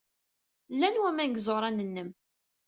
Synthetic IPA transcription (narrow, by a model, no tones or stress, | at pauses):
lːænwæmænɡzoɾˤɑnənːəm